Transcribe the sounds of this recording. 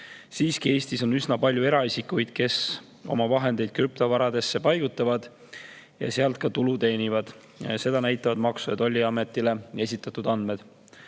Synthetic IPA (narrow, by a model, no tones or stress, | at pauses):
siːskie̞ːsʲt̪iso̞nysnɑpɑlʲjue̞ɾɑisikujd̪̥̚ke̞s | o̞̰mɑvɑɦe̞nd̪̥e̞jd̪̥̚kɾypt̪ovɑɾɑd̪e̞sːe̞pɑjɡ̥ut̪ːˑɑvɑd̪̥ | jɑ̰seɑlt̪̚kɑt̪ulut̪e̞ːnivɑd̪̥ | jɑ̰se̞d̪̥ɑnæjt̪ːˑɑvɑd̪mɑksujɑ̰t̪o̞lʲːiɑme̞t̪ːˑile̞e̞sit̪ˑːɑt̪ˑud̪ɑnd̪me̞d̪̥